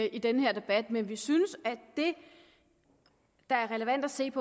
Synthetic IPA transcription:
id̥enəheɐ̰d̥e̝b̥æd̥menʋisynəsæd̥e̝ | d̥ɑ̈æɐʁɛləʋæn̰d̥æse̝̰ːpʰɒ̽

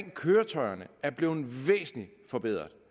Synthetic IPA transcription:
ŋ̰kʰøːɐt͡sʰɒ̽ɪɐnəæɐb̥le̝ːð̩ˠʋḛːsn̩li | fɒ̽b̥eð̞̰ˠʁɐðˠ

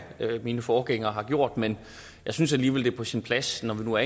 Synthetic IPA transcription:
ømiːnəfɒːɡ̥eŋ̰ɐɦɑ̈ɡ̥jo̝ɐ̰d̥men | jjɑ̈ɪsynsæliːʋeld̥e̝ɐpʰɒ̽sinpʰlæsnɒʋinuæɐ

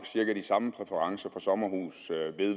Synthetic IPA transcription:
ɡ̥siɐɡ̥æd̥isɑ̈məpʰʁɛfəʁɑ̈ŋsɐfɒ̽sɒ̽mɐɦṵːsʋe̝ðˠ

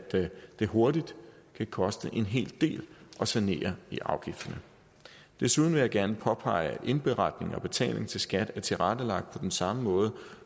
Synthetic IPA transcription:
d̥d̥e̝ɦo̝ɐdid̥kʰækʰɒ̽sd̥əʔe̝nɦe̝̰ːld̥e̝̰ːlʔɒ̽sæne̝̰ːɐiʔɑ̈ʊɡ̥ifd̥ɐnə | d̥e̝suð̞ˠn̩ʋe̝jɑ̈ɡ̥æɐnəpʰɒ̽pʰɑ̈ɪæd̥ʔe̝nb̥e̝ʁɑ̈d̥ne̝ŋɒ̽b̥e̝t͡sʰɛ̰ːl̰e̝ŋt͡sʰe̝lsɡ̥æd̥æɐt͡sʰe̝ʁad̥əlɑ̈ɡ̥̚d̥̚pʰɒ̽d̥ensɑ̈məmɔ̽ːð̞̩ˠ

